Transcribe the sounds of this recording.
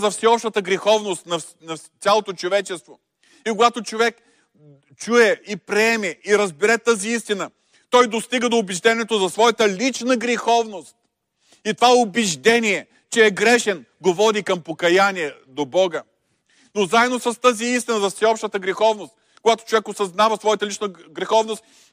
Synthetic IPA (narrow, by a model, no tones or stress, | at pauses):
zɐfsɛɔpʃt̪ət̪əɡɾɛxɔvnost̪nɐ | nɐalˠot̪ot͡ʃovɛt͡ʃɛst̪vo | ikoɡat̪ot͡ʃovɛk | t͡ʃuɛipɾɛɛmɛiɾɐzbɛɾɛt̪əziist̪inə | t̪ɔjd̪ost̪iɡəd̪oːbɛʒd̪ɛniɛt̪ozɐsvɔjət̪əlit͡ʃnəɡɾɛxɔvnost̪̚ | it̪ovaʊbɛʒd̪ɛniɛ | t͡ʃɛːɡɾɛʃɛn | ɡovɔd̪ikɐmpokɐjaniɛd̪obɔɡə | nozaɛd̪nosɐst̪əziist̪inəzɐfsʲɛɔpʃt̪ət̪əɡɾɛxɔvnost̪ | koɡat̪o̥t͡ʃovɛkosɐznavɐsvɔjət̪əlit͡ʃnəɡɾɛxɔvnost̪̚